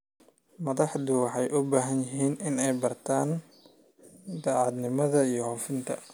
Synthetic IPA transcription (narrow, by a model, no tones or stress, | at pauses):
mɐðɑħdʊwɑħɑjʔʊbaːɦɐnjɪɦiːnɪnɛjbɐrt̪ʰaːn | d̪ɑːʕɑd̪nɪmɐðɐijɞhɔːfɪnt̪ʰɐ̰